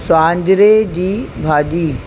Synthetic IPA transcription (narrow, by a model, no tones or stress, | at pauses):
sãːɲd͡ʑɾed͡ʑiːbʱaːd͡ʑiː